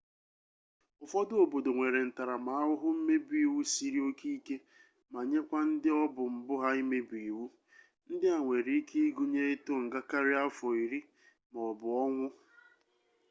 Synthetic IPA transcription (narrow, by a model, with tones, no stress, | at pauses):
ʊ˨fɔ˦dʊ˦o˨bo˨do˨ŋʷe˨ɾe˨n̩˨ta˨ɾa˨ma˨a˦ɦʊ˦ɦʊ˦m̩˦me˦bi˨wu˦si˦ɾi˦o˦ki˦i˦ke˦ | ma˨ɲe˦kʷa˦n̩˦dɪ˦ɔ˦bʊ˨m̩˨bʊ˦ɦa˦i˦me˦bi˨wu˦ | n̩˦dɪ˦a˨ŋʷe˨ɾi˦i˦ki˦i˦ɡu˦ɲe˦ɪ˦tʊ˦ŋ̩˨ɡa˦ka˦ɾɪ˦a˦fɔ˨i˨ɾi˦ | mɔ˨ɔ˨bʊ˨ɔ˦ŋʷʊ˦